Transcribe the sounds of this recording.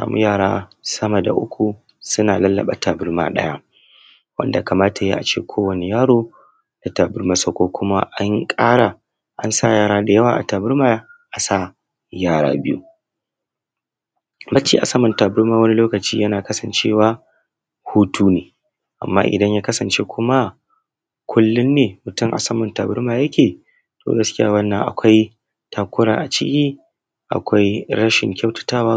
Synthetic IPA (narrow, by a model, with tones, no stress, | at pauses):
sa̰ː˨mṵ˦jaː˦˨ɽaː˦sɐ˦mɐ˨da̰˨ʔʊ˦kʷu˨ | sʊ˦naː˨lɐ˦lːɐ̰˨ɓa̰˨taː˨bɪ˦rma̰ː˦ɗɐ̰˦ja˦ | wɐ̰˦nda˨ka˨maː˦ta˨jḛː˦ʔa˨t͡ʃeː˦˨kʷʰoː˦wɐ˨ne˨jaː˦ɽoː˦ | d̥a˨taː˨bʊ˦rma˨sa˦˨kʷoː˦kʷʊ˦ma̰˦ʔa˦ŋkʼaː˦ɽa˨ | ʔa̰˦nsa˦˨jaː˦˨ɾaː˦da˨jɐ˦waː˨ʔa̰˨taː˨bɪ˦ɾma˦ʔa˨sa˦˨ | jaː˦˨ɽa̰ː˦bɪ˦jṵ˦ | bɐ˦t͡ʃːḭː˦ʔa̰˨sɐ˦mʊ˨taː˨bʊ˦ɾmaː˨wɐ˦ni˦loː˦kɐ˨t͡ʃiː˦jɐ˦naː˨kɐ˦sɐ˨nt͡ʃeː˦waː˦ | huː˦tʰuː˦neː˨ | ʔa̰˨mːa̰ː˦ʔɪ̰˨dɐ˦ɲjaː˦kɐ˦sɐ˨nt͡ʃe˦kʷʰʊ˦ma˦ | kʷʰʊ˦lːʊ˦nːeː˨mʊ˨tʊ˦mʔa̰˨sɐ˦mʊ˨ntaː˨bʊ˦ɾmaː˨jɐ˦kʲeː˨ | tʰo̰ː˨ɡɐ˦skʲɪ˦ja̰ː˦wɐ˦nːɐ˨ŋʔa̰˨kʷa˦j | tʰaː˨kʷʊ˦ɾa̰˨ʔa˨t͡ʃɪ̰˦kʲiː˦ | ʔa̰˨kʷa˦jɽɐ˦ʃɪ̰˨ŋkʲʰa˦wtɐ̥˦taː˦waː˦